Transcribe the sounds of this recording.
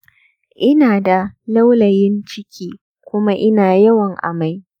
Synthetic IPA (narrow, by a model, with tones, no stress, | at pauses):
ʔɪ˦naː˨da˨la˦wlɐ˨jɪ˦nt͡ʃɪ˦kʲʰiː˦ | kʷʊ˦ma˦ʔɪ˦naː˨jɐ˦wɐ˨ŋʔa̰˨ma˦j